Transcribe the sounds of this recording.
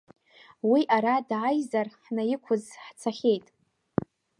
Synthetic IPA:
wiʔaɾadʕajzarħnajɪkʷʰʊzħt͡sʰaχʲe̞jtʼ

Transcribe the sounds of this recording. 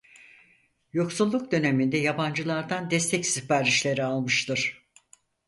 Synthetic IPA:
jo̞ksulˠːuk̚d̪ø̞ne̞mind̪ɛjaband͡ʒɯlˠaɾd̪and̪ɛst̪ʰɛcsipaɾiʃlʲe̞ɾialˠmɯʃt̪ʰɯɾ̥

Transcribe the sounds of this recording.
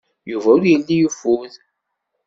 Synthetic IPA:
juvæʊɾjəlːijufuð

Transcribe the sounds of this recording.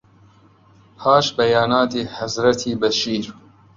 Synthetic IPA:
hʰaːʃbɐjaːnaːt̪iːhɐzɾɐt̪ʰiːbɐʃiːɾ

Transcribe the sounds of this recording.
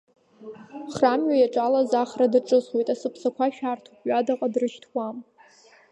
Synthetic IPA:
χramɥajaʈ͡ʂʼalazaχradɨʈ͡ʂʼɨswejtʼasɨpʰsakʷʰaʃᶣaːrtʰupʰʼɥadaqʼadrɨʃtʰwam

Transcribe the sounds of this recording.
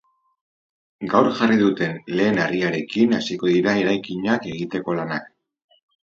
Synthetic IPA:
ɡawɾʝariðut̪e̞nle̞ːnariaɾe̞kinasiko̞ðiɾae̞ɾajkiɲake̞ɣ̞it̪e̞ko̞lanak

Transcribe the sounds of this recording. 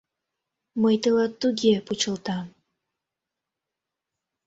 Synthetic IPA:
məjt̪əlɑt̪ːuɡʲeput͡ɕəlˠt̪ɑ

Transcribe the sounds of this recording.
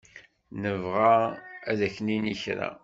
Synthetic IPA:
nəvʁaæðæçniniçɾa̰

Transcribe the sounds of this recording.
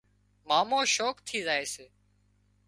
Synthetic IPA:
maːmõːʃoːkt̪ʰiːzaːeːseː

